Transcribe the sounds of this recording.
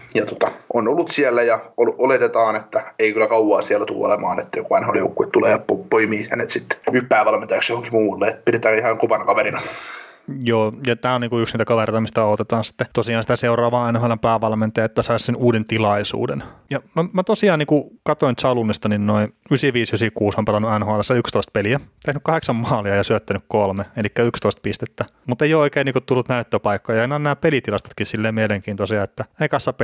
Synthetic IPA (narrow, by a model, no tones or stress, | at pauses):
jɑt̪o̥t̪ɑʔonolːut̪siælːæjɑolʔolet̪et̪ɑːnet̪ːæeikylːækɑuwɑːsiælːæt̪ṵːo̰lemɑ̰ːnet̪ːæjokuʋɑinhɑoljo̰ukːuet̪tuleːjɑpopoimiːhæ̰net̪sit̪ːe̥yhpæːʋɑlment̪ɑjksjohoŋkimuːlːeet̪pidet̪æːihɑŋkoʋɑnɑkɑʋeɾinɑ | joːjɑt̪æːoniːŋkuyksniːt̪ækɑʋert̪ɑmist̪æɑˑut̪et̪ɑːnsi̥t̪ːet̪osiɑːnsit̪æseurɑːʋɑːɑinhɑnɑpæːʋɑlment̪ɑjɑet̪ːæsɑissenuːdent̪ilɑisṵːdenjɑnomæt̪osiɑːniːŋkukɑt̪oint̪sɑlunːist̪ɑninnoinysiʋiːsysikuːsompelɑnːuænhoɑlːesːɑykst̪oist̪̚peliæt̪ehnykkɑheksɑmmɑːliɑjɑsyøt̪ːænykkolmeelikːæykst̪oist̪̚pist̪et̪ːæ | mut̪eijooikeːniːkut̪t̪ulːut̪næyt̪ːøpɑikːɑːjɑɑinːnæːpelit̪ilɑst̪ɑ̥t̪kissilːeːmmieleŋkiːnt̪osiɑet̪ːæeikɑsːɑp